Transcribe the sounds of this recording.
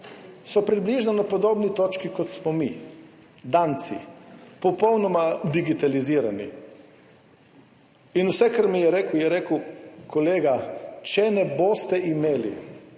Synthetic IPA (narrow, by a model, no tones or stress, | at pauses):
sopɾibliːʒnanopod̪oːbnit̪ot͡ʃkikot̪smomi | d̪aːnt̪sḭpopownomad̪iɡit̪aliziːɾanḭ | inusɛkr̩mijɛɾekujɛɾekwkoleːɡat͡ʃɛnɛboːst̪ɛʔimeːlḭ